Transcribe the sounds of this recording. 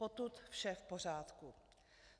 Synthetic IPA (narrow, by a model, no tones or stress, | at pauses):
ot̪ut̪fʃɛfpo̞r̝aːt̪ku